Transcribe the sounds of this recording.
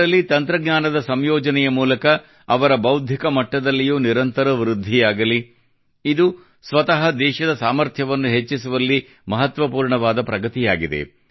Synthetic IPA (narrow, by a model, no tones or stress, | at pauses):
ɐlːit̪ɐnt̪ɾɐɡɲaːnɐd̪ɐsɐmjɔːd͡ʒɐnɛjɐmuːlɐkɐː | ʋɐɾɐbɐwd̪ʱjikɐmɐʈːɐd̪ɐlːijuːniɾɐnt̪ɐɾɐʋɾud̪ʱːijaːɡɐli | id̪u | sʋɐt̪ɐɦɐd̪ɛːʃɐd̪ɐsaːmɐɾt̪ʰjɐʋɐnːuɦet͡ʃːisuʋɐlːi | mɐɦɐt̪ʋɐpuːɾɳɐʋaːd̪ɐpɾɐɡɐt̪ijaːɡid̪ḛ